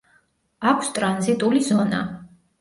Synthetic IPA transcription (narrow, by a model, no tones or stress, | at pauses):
akʷʰst̪ʼɾanzit̪ʼulizɔna̰